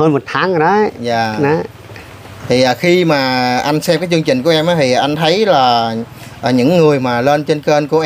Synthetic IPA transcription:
həː˧nmo˨˩t̚t̪ʰaː˨˦ŋ˨˩ɗa˨˦za̰ː˧˨˩na˨˦ | t̪ʰi˨˩ʔəː˨˩xi˧maː˨˩ʔa˧ŋsɛ˧mkaː˨˦jt͡ɕɨ˧əŋt͡ɕï˨˩ŋ̟ku˧˩ʔɛ˧mʔaː˨˦t̪ʰi˨˩˨ʔa˧jŋ̟t̪ʰə˨˦jlaː˨˩ | ʔəː˨˩ɲɨ̰˧˥ŋːɨ˨˩əjmaː˨˩le˧nt͡ɕe˧nkə˧nku˧˩əʔ

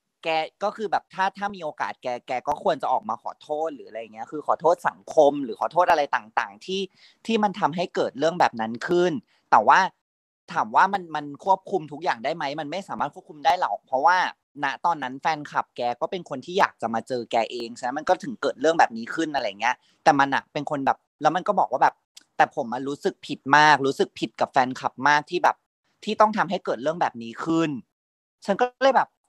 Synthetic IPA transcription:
kɛː˧kɔː˥˩kɯː˧bɛː˨˩p̚t̪ʰaː˥˩t̪ʰaː˥˩miː˧ʔoː˧ka̰ː˨˩t̪̚kɛː˧kɛː˧kɔː˥˩kʰu˧ənt͡ɕa˨˩ʔɔː˨˩k̚maː˧kʰɔ̰ː˨˩˦t̪ʰoː˥˩t̪̚ɾɯː˩˦a˧ɾa˧jːŋːi˦ɐkʰɯː˧xʰɔː˨˩˦t̪ʰoː˥˩t̪̚sa˨˩˦ŋkʰo˧mɾɯː˩˦xʰɔː˨˩t̪ʰo˥˩t̪ʔa˧ɾa˧jt̪aː˨˩ŋt̪aː˨˩ŋt̪ʰiː˥˩ | t̪ʰiː˥˩ma˧nt̪ʰa˧mɦa˥˩jkɤː˨˩t̪̚ɾɯ˥˩əŋbɛː˨˩p̚na˦˥nkʰɯ˥˩n | t̪ɛː˨˩waː˥˩ | t̪ʰaː˩˦mwaː˥˩ma˧nma˧nkʰu˥˩əp̚kʰu˧mt̪ʰu˦˥k̚jaː˨˩ŋdaː˥˩jma˦˥jma˧nma˥˩jsaː˩˦aː˥˩kʰu˥˩ku˧mdaː˥˩jlɔ̰˨˩k̚pʰɾɔ˦˥waː˥˩ | na˦˥t̪ɔː˧nːa˦˥nfɛː˧nkʰa˨˩p̚kɛː˧kɔː˥˩pe˧nkʰo˧nt̪ʰiː˥˩jaː˨˩k̚t͡ɕa˨˩maː˧t͡ɕɤː˧kɛː˧ʔeː˧ŋt͡ɕʰa˧˩na˦˥nma˧nkɔː˥˩t̪ʰɯ˨˩˦ŋkɤː˨˩t̪̚ɾɯ˥˩əŋbɛː˨˩p̚niː˦˥kʰɯ˥˩nʔa˧ɾa˧jːa˨˩ŋːi˦˥ɐ | t̪ɛː˨˩ma˧nʔa̰˨˩pe˧nkʰo˧nbɛː˨˩p̚lɛ˦˥wma˧nkɔː˥˩bɔː˨˩k̚waː˥˩bɛː˨˩p̚t̪ɛː˨˩pʰo˩˦mʔa˧ɾuː˦˥sɯ˨˩k̚pʰi˨˩t̪̚maː˥˩k̚ɾuː˦˥sɯ˨˩k̚pʰi˨˩t̪̚ka˨˩p̚fɛː˧nkʰa˨˩p̚maː˥˩k̚t̪ʰiː˥˩bɛː˨˩p̚ | t̪ʰiː˥˩t̪ɔ˥˩ŋt̪ʰa˧mɦa˥˩jkɤː˨˩t̪̚ɾɯ˥˩əbɛː˨˩p̚niː˦˥kʰɯ˥˩n | t͡ɕʰa˦˥nkɔː˥lɤː˧˥˩jbɛː˨˩p̚

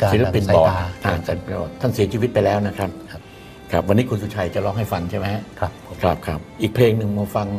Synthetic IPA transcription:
si˨˦la˧pi˧nbɔː˨˩aː˨˩ŋsa˨˩ɔː˨˩t̪ʰːa˥˩nsi˩˦t͡ɕʰi˧wi˦˥t̪̚pa˧jlɛː˦˥wna˦˥kʰɾa˦˥p̚ʰ | kʰɾa˦˥p̚wa˧nːiː˦˥kʰu˧nsu˧˩t͡ɕʰaː˧jt͡ɕa˨˩lɔː˧˩ŋɦa˥˩jfa˧nt͡ɕʰa˥˩jma˦˥˦ | kʰɾa˦˩p̚kʰɾa˦˥p̚ʔiː˨˩k̚pʰleː˧ŋnɯ˨˩ŋmɔ˧fa˧ŋ

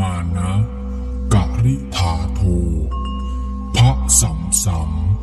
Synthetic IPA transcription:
aː˧na˦˥ʔ | ka˨˩ʔɾi˦˥ʔt̪ʰaː˩˦t̪ʰoː˧ | pʰa˦˥ʔsa˩˦msa˨˦m

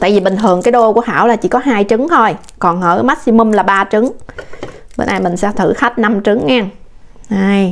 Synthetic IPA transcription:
t̪a̰ː˧˨jvi˨˩ɓï˨˩ŋ̟t̪ʰɨ˨˩əŋkaː˨˦jɗo˧ku˧˩əha̰ː˧˩wlaː˨˩t͡ɕḭ˧˩˦kɔ˨˦ɦaː˧jt͡ɕɨ˨˦ŋt̪ʰo˧j | kɔ˨˩nhəː˧˩ma˦˥k̚si˧mʊ˧mlaː˨˩ɓaː˧t͡ɕɨ˨˦ŋ | ɓḛ˧nʔaː˧jmï˨˩ŋ̟sɛ̰˧˥t̪ʰɨ̰˧˩xa˦˥k̚na˧mt͡ɕɨ˨˦ŋːɛ˧ŋaː˧˩j

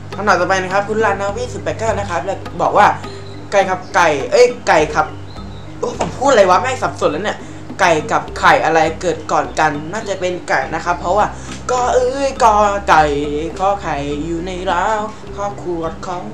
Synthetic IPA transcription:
t̪ʰa˧nɔː˨˩t̪ɔ˧˩pa˧jna˦˥kʰa˦˥p̚ʰːu˦˥laː˧naː˦˥˩wiː˦˥˩su˨˩t̪̚paː˨˩kaː˥˩na˦˥kʰa˦˥p̚lɛː˧˩bɔ̰ː˨˩k̚waː˥˩ | ka˨˩jkʰa˨˩p̚ka˨˩jʔɤ˦˥˩jka˨˩jkʰa˨˩p̚ | ʔɤː˦˥˩jpʰo˨˩˦pʰuː˥˩t̪̚a˧la˧jwa˦˥ma˥˩sa˨˩p̚su˨˩˦nlːni˥˩ɐ | ka˨˩jka˨˩p̚kʰa˨˩jʔa˧ɾa˧jkɤː˨˩t̪̚kɔː˨˩nka˧nːaː˥˩t͡ɕa˨˩pe˧nka˨˩na˦˥kʰa˦˥pʰːɔ˦˥waː˥˩ | kɔː˧˩ʔɤː˧jkɔː˧˩ka˨˩jkʰɔː˧˩kʰa˨˩jːuː˨˩na˧jlaː˦˥w | kʰɔː˥˩kʰuː˧wɔ˦˥˩t̪̚kʰɔ˧˥˩m

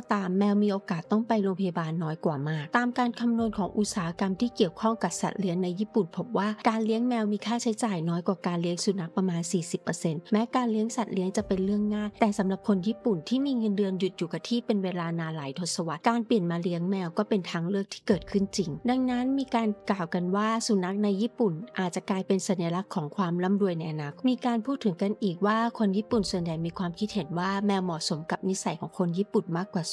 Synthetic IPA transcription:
ɔ˧˩t̪aː˧mːɛː˧wmiː˧ʔoː˧kaː˨˩t̪ːɔ˥˩ŋpa˧jloː˧mpʰa˧ja˧baː˧nːɔː˦˥jkwaː˨˩maː˥˩k̚t̪aː˧mkaː˧nkʰa˧mnu˧ənkʰɔː˨˩˦ŋʔu˨˧˩t̪̚saː˨˦ha˧˥ka˧mt̪ʰiː˥˩ki˨˩əwkʰɔ˥˩ŋka˨˩p̚sa̰˨˩t̪̚li˦˥əŋna˧jːiː˥˩pu˨˩npʰo˦˥p̚waː˥˩kaː˧nli˦˥əŋmɛː˧wmiː˧kʰaː˥˩t͡ɕʰa˦˥jt͡ɕaː˨˩jnɔː˦˥jkwaː˨˩kaː˧nli˦əŋsu˧˩na˧˦˥k̚pɾa˧maː˧nsiː˨˩si˨˩pːɤː˧se˧nmɛː˦˥kaː˧nli˦əŋsa˨˩t̪̚li˦əŋt͡ɕa˨˩pe˧nlɯ˥˩əŋːaː˥˩nt̪ɛː˨˩sa˨˩˦mɾa˨˩p̚kʰo˧njiː˥˩pu˨˩nt̪ʰiː˥˩miː˧ŋɤ˧ndɯ˧ənju˨˩t̪̚juː˨˩ka˨˧˩t̪ʰiː˥˩pe˧nweː˧laː˧naː˧laː˨˩˦jt̪ʰo˧t̪̚sa˧wa˨˩t̪̚kaː˧npli˨˩ənmaː˧li˦˥əŋmɛː˧wkɔː˥˩pe˧nt̪ʰaː˧ŋlɯ˥˩k̚t̪ʰiː˥˩kɤː˨˩t̪̚kʰɯ˥˩nt͡ɕi˧ŋda˧ŋna˦˥nmiː˧kaː˧nklaː˨˩wka˧nwaː˥˩su˨˦na˦˥k̚na˧jːiː˥˩pu˨˩nʔaː˨˩t͡ɕa˨˩klaː˧jpe˧nsa˨˦nja˧la˧˦˥kʰːɔː˩˦ŋkʰwaː˧mla˦˥˩mɾu˧əjna˧jʔa˧naː˧˩kʰmiː˧kaː˧npʰuː˥˩t̪ʰːɯ˩˦ŋka˧nʔiː˨˩k̚waː˥˩kʰo˧njiː˥˩pu˨˩nsu˨˩ənja˨˩jmiː˧kʰwaː˧mkʰi˦˥t̪̚he˩˦nwaː˥˩mɛː˧wmɔː˨˩so˩˦mka˨˩p̚ni˦˥sa˨˦jkʰɔː˩˦ŋkʰo˧njiː˥˩pu˨˩nmaː˥˩kːwaː˨˩s

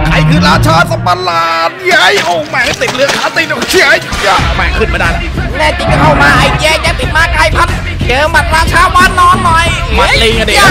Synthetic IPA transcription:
kʰa˧jkʰɯː˧ɾaː˧˥t͡ɕʰaː˧sa˧˦mpa˧laː˧t̪̚ja˧˥jʔoː˧˩mɛː˧˩kʰa˧˩t̪i˨˩t̪̚lɯ˨˦əkʰaː˨˦t̪i˧˩no˧˩kʰa˧˥jja˧˩˧mɛː˧˩kʰɯː˧˩nmaː˧˩a˧˩n | nɛː˧˩t͡ɕi˨˧˩kkʰa˧˩wmaː˧ʔa˧jt͡ɕɛː˧˩t͡ɕa˧˥˩p̪i˨˩t̪̚maː˧˥˩kʰɾa˧˩jpʰa˧˩t̪̚ | t͡ɕɤː˧ma˨˩t̪̚ɾaː˧˥kʰaː˧˥˩maː˧˥˨nːɔː˧˥nːɔ˨˩j | ma˨˩˨t̚liː˧ŋa˧de˨˧

